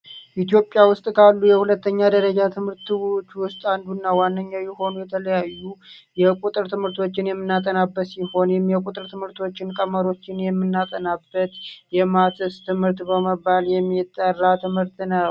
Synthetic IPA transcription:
ʔit̪jo̞pʼːjawʊst̪ʼkʰalːujɛhulət̪ʰːəɲːad̪əɾəd͡ʒat̪ʰɨmhɨɾt̪ɨwt͡ʃːwʊst̪ʼand̪unːawanːəɲːawjɪho̞nujɛt̪ʰələjajːujɛkʷʼut̪ʼɨɾt̪ʰɨmhɨɾt̪ʰo̞t͡ʃːɪnjɛmːɨnːat̪ʼənabːət̪siho̞njɛmjɛkʼut̪ʼɨɾt̪ʰɨmhɨɾt̪ʰo̞t͡ʃːɪnkʼəməɾo̞t͡ʃːɪnjɛmːɨnːat̪ʼənabːət̪jɛmat̪ɨst̪ʰɨmhɨɾt̪bəməbːaljɛmːit̪ʼːərːat̪ʰɨmhɨɾt̪nə

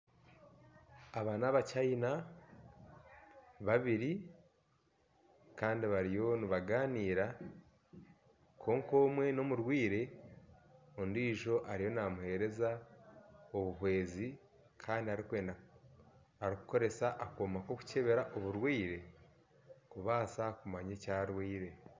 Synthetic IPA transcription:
aβaːnaβacaina | βaβiɾi | kaːndiβaɾijo̞niβaɡaːniːɾa | kʰo̞ːŋko̞ːmwe̞no̞muɾwiːɾe̞ | ondiːʒo̞ʔaɾijo̞namuhe̞ɾe̞za | o̞βuhwe̞ːzi | kʰaːndiaɾikwe̞ːnda | aɾiku̥ko̞ɾe̞saʔakoːmako̞ku̥ce̞βe̞ɾaʔo̞βuɾwiːɾe̞ | kuβaːsakumaɲecaːɾwiːɾe̞

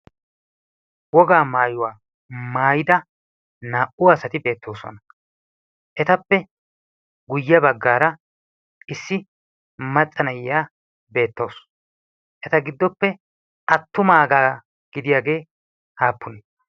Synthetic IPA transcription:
wɔɡaːmaːjʊwaː | maːjɪd̪ɐ | naːʔʊɐsɐt̪ɪbe̞ːt̪ːo̞ːsɔ̰nɐ | ʔɛt̪ɐpːɛ | ɡʊjːɪɐbɐɡːaːɾɐ | ɪsːɪ | mɐt͡sʼːɐnɐjɪjaː | be̞ːt̪ːo̞ːs | ʔɛt̪ɐɡɪd̪ːɔpːɛ | ʔɐt̪ːʊmaːɡaː | ɡ̥ɪd̪ɪjaːɡe̞ː | haːpːʊnɛ

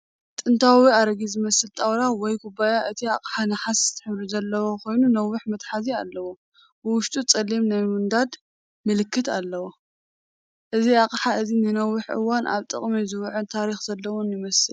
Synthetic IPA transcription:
t̪ʼɨnt̪ʰawiaɾɐɡizɨmɐsɨlt̪ʼawlawɔjkʰʊbajaʔɨt̪ʰia̰kʼħanɨħaszɨt̪ʰːɨ̥ħɨβɾuzɐlːɐwokʰo̞jnunɐwʊħmɐt̪ħazialːɐwo | bɨwʊʃt̪ʼut͡sʼɐlːimnajmɨnd̪ad̪ | mɨlɨkʰːɨt̪ʰalːɐwo | ʔɨziaqʼħaɨzinɨnɐwːʊħʔɨ̰wanʔa̰βt̪ʼɨ̰χʼmizɨwʕunt̪ʰaɾixzɐlːɐwonjɪmɐsɨl

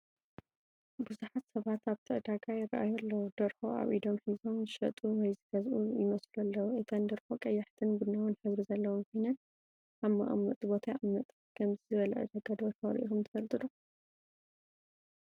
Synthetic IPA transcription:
bɨzuħat̪sɐβat̪aβt̪ʰɨʔd̪aɡajɪrːɐʔajɐlːɐwud̪̥ɐɾxoʔa̰βʔid̪o̞mħizo̞mzɨʃɐ̰t̪ʼuwɔjzɨɡɐzʔujɪmɐsluɐlːɐwuʔɨt̪ʰɐnd̪ɐɾxo̞kʼɐjːaħt̪ʰɨnbɨnːawɨnħɨβɾizɐlːɐwomkʰojnɐn | ʔaβma̰ʔɐ̰mːɐ̰t̪ʼɨbo̞t̪ʰaʔamːɐt̪ʼ | kʰɐmzizɨβɐlɐʔɨ̰d̪aɡad̪oħɐɾḭʔḭxumt̪ʰɐfɐlt̪ʼɨd̪u

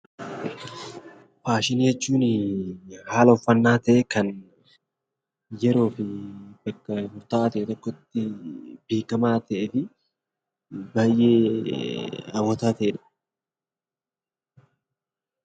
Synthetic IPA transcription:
faːʃɪnihɛt͡ʃːuːnɪ | haːlɐʊfːɐnːaːt̪ɐʔekɐn | jɛɾo̞ːfɪbɐkːɐmʊɾt̪aːt̪ɐʔɛt̪ɔkːɔt̪ːɪbe̞ːkɐmaːt̪ɐʔefɪ | baːjʔeː | ɐbɔt̪aːt̪ɐʔᶑɐ̥

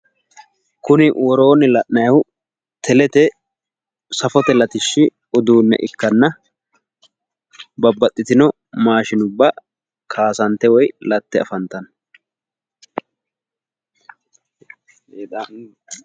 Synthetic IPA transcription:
kʊnɪwɔɾoːnɪlɐʔnɐjɐhʊ | t̪ɛlɛt̪ɛ | sɐfɔt̪ɛlɐt̪ɪʃːɪ | ʊd̪uːnːɛ̰ʔɪkːɐnːɐ | bɐbːɐt̪ʼːɪt̪ɪnɔ | maːʃɪnʊbːɐ | kʰaːsɐnt̪ːɛwɔjlɐt̪ːɛɐ̰fɐnt̪ɐn

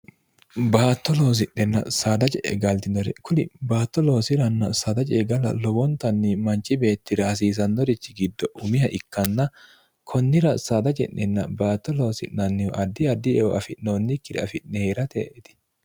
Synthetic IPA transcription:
baːt̪ːɔloːs̬ɪʔɛnːɐ̰saːd̪ɐt͡ʃʼɛʔɡɐlt̪ɪnɔɾɛkʊlɪbaːt̪ːɔloːsɪɾɐnːɐsaːd̪ɐt͡ʃʼeːɡɐlɐ̰lɔwɔnt̪ɐnːɪmɐnt͡ʃːɪbe̞ːt̪ːɪɾɐhɐs̬iːs̬ɐnːɔɾɪt͡ʃːɪɡɪd̪ːɔʔʊmɪjɐʔɪkːɐnːɐ | kʰɔnːɪɾɐsaːd̪ɐt͡ʃʼɛ̰ʔnɛnːɐbaːt̪ːɔlo̞ːsɪ̰ʔnɐnːɪɔʔɐd̪ːɪɐd̪ːɪɛwɔɐfɪʔnːoːnːɪkːɪd̪ɛɐfɪʔnɛheɾɐt̪ḛːʔɛt̪ɪ̥

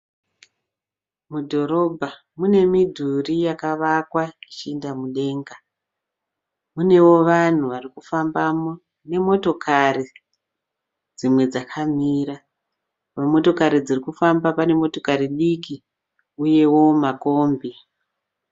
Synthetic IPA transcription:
mudʱo̞ɾo̞bʱa | mune̞midʱurijakaʋakwait͡ʃiindamuɗe̞ŋɡa | mune̞wo̞ʋan̤uʋarikufambamo | ne̞mo̞to̞kʰari | d͡zimwe̞d͡zakʰamiːɾa | pamo̞to̞kaɾid͡zirikufambapane̞mo̞to̞kaɾiɗiki | uje̞wo̞mako̞ːmbi

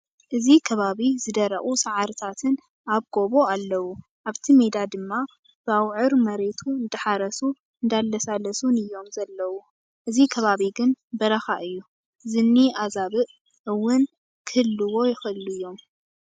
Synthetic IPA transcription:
ʔɨzikʰɐβaβizɨd̪ɐɾɐ̰ʔχʼusaʕaɾɨt̪ʰat̪ʰɨn | aβɡ̥o̞βoalːɐwu | ʔaβt̪ʰime̞d̪ad̪ɨmːa | b̥awʕɨɾmɐɾe̞t̪ʰuɨnd̪ɨħaɾɐsu | ɨnd̪alːɐsalɐsunɨjːo̞mzɐlːɐwu | ʔɨzikʰɐβaβiɡɨnbɐɾɐxaʔɨjːu | zɨnːiazaβɨʔ | ʔɨwːʊn | kʰɨhɨlːɨwo̞jɪxɨɨluɨjːo̞m

